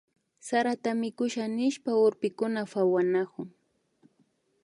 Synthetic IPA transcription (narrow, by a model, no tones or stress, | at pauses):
saɾat̪amɪkʊʃanɪʃpaʊɾpɪkʊnafawanakʊŋ